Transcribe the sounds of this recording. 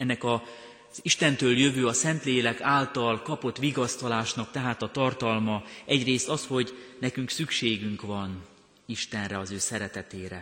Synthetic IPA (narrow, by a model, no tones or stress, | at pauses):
ɛnːɛkɒ | z̥iʃt̪ɛnt̪øːljøvøːɒsɛnt̪leːlɛkaːlt̪ɒlkɒpo̞t̪ʋiɡɒst̪ɒlaːʃnɒk̚t̪ɛɦaːt̪ɒt̪ɒrt̪ɒlmɒɛɟreːst̪ɒsho̞ɟnɛkyŋksykʃeːɡyŋkʋɒn | iʃt̪ɛnrɛɒzøːsɛɾɛt̪ɛt̪eːɾɛ